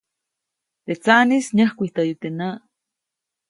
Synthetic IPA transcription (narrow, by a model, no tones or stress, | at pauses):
t̪et͡sanisɲəhkʷiht̪ajut̪enaʔ